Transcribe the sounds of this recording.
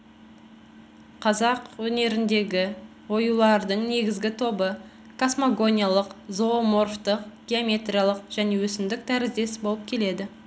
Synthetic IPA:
qʰɑzɑqwɵne̞ɾɪnd̪e̞ɡʲɪ | wo̞julˠɑɾd̪əɴne̞ɡʲɪzɡʲɪt̪ʰo̞bə | kʰosmoɡo̞nʲijalˠəqzo̞mo̞rft̪əq̚ɡʲeomʲe̞t̪ɾʲijalˠəqʒ̥æne̞wɵsɪmd̪ɪk̚t̪ʰæɾɪzd̪e̞sbo̞lˠəp̚kʲʰe̞le̞d̪ɪ

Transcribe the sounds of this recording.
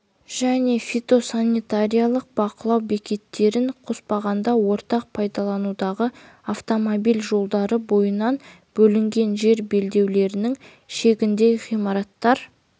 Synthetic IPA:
ʒ̥æne̞fʲit̪o̞sanʲːit̪aɾijalˠəq̚bɑqəlˠɑwbe̞kʲe̞t̪ːe̞ɾɪɴqʰospɑʁɑnd̪ɑwo̞ɾt̪ɑq̚pʰɑjd̪ɑlˠɑnud̪ɑʁə | aft̪o̞mobijlʒo̞lˠd̪ɑɾəbo̞jənɑn | b̥ɵlɪŋɡʲe̞nʒe̞ɾbe̞ld̪e̞wle̞ɾɪnɪŋ | ʃe̞ɡʲɪnd̪ejʁijmɑɾɑt̪ːɑɾ

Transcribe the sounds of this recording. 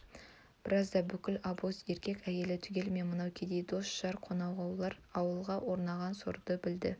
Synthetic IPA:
b̥ɪɾɑzd̪ɑbʏkʲɪlɑbose̞ɾkʲe̞kʲæje̞lɪt̪ʰʏɡʲe̞lme̞nmənɑwkʲʰed̪e̞jd̪o̞sʒ̥ɑɾqʰo̞nɑwʁɑwlˠɑɾɑwəlˠʁɑwo̞ɾnɑʁɑnso̰ɾd̪̥əbɪld̪ɪ

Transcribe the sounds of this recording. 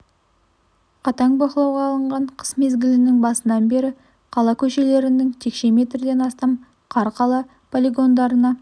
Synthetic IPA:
qʰɑt̪ɑŋbɑqəlˠɑwʁɑːlˠəɴʁɑɴqʰə̥sme̞zɡʲɪlɪnɪŋbɑsənɑnbe̞ɾɪ | qʰɑlˠɑkʲʰɵʃe̞le̞ɾɪnɪŋt̪ʰe̞kʃe̞me̞t̪ɾɪd̪e̞nɑst̪ɑm | qʰɑɾqʰɑlˠɑ | pʰolʲiɡo̞nd̪ɑɾənɑ

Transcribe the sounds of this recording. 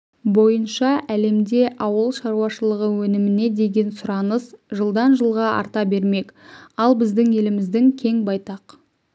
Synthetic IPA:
bo̞jənʃɑʔæle̞md̪e̞ʔɑwəlˠʃɑɾuɑʃəlˠəʁəwɵnɪmɪne̞d̪e̞ɡʲe̞nsʊɾɑnəsʒəlˠd̪ɑnʒəlˠʁɑʔɑ̰ɾt̪ɑbe̞ɾme̞kɑlˠbɪzd̪ɪŋe̞lɪmɪzd̪ɪŋkʲʰe̞ŋbɑjt̪ɑq

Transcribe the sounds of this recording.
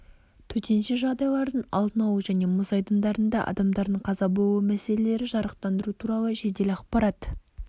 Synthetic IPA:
t̪ʰɵt̪ʰe̞nʃɪʒɑʁd̪ɑjlˠɑɾd̪ənɑ̰lˠd̪ənɑwəʒæne̞mʊzɑjd̪ənd̪ɑɾənd̪ɑʔɑ̰d̪ɑmd̪ɑɾd̪əɴqʰɑzɑbolˠumæse̞lele̞ɾɪʒɑɾəqt̪ɑnd̪əɾut̪ʰuɾɑlˠəʒed̪e̞lɑqpɑɾɑt̪

